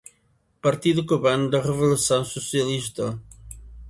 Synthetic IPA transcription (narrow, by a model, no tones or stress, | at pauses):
pɐɾt̪iðukuβand̪ərəβulusõwsusijɐliʃt̪ɐ